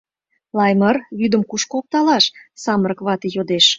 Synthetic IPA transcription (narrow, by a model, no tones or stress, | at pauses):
lɑjmərβyd̪əmkuʃkook̚t̪ɑlɑʃsɑməɾəkβɑt̪ejod̪eʃ